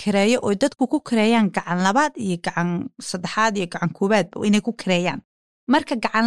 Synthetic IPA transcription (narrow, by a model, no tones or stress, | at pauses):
kʰɪɾɛːjɔʔɔːjd̪ɐd̪kʰʊkʰʊkʰɪɾɛːjaːŋɡɑʕɑnlɐβaːd̪ijɞɡɑʕɑnsɐd̪ɛħaːd̪ijɞɡɑʕɑŋkʰɔːβaːd̪̚bɐ̰ɪnɛjkʰʊkʰɪɾɛːja̰ːn | mɐrkʰɐɡɑʕɑn